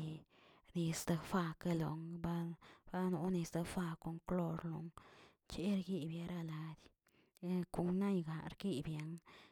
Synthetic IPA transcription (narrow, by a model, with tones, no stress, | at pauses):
ni˧sd̪a˧fa˧ka˧lo˨ŋba˦b̥a˦no˨˦ni˧sd̪a˧fa˧ko˧ŋklo˦˧ɾlo̰˨ŋ | t͡ʃe˦ɾɡi˦bja˧ɾa˧la˧d̪ʲ | ku˨ŋna˦jɡa˨ɾɡi˦bja˧ŋ